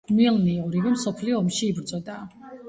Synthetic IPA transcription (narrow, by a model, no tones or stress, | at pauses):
milniɔɾivɛmsɔpʰliɔːmʃiːbɾd̪zʼɔd̪aː